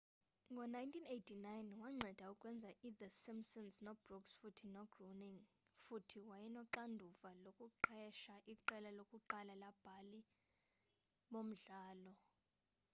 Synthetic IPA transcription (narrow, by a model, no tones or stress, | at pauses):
ŋɡʱɔnajntʰinejtʰinajnwaŋ͡ǀʱɛd̥ʱaukʼwɛnd͡zʱaʔiðəsimsɔnsnɔbrɔksfutʰinɔɡ̥roniŋ | futʰiwajɛnɔǃandʱuvalokʼuǃɛʃaʔiǃɛlalokʼuǃalalab̥ʱali | ɓom̩ɮaːlɔ